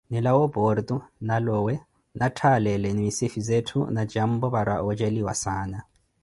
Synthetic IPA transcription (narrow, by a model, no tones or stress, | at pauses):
nilawɔbɔrd̪unalɔːwɛ | natʰalɛlɛnimisifizetʰṵnad͡ʒam̩bɔβaɾwa̰ɔd͡ʒeliwasaːna